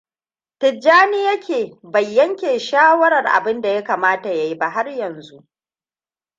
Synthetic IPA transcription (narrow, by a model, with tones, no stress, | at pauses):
tɪ˨d͡ʒːaː˦ni˦jɐ˦kʲeː˨bɐ˨jːɐ˦ŋkʲeː˨ʃaː˦wɐ˦ɾɐ˨rʔa̰˨bɪ˦nda˨ja˦kaː˨maː˦ta˨ja˦ji˦ba˦ɦa˦rjɐ˨nzu˦ʔ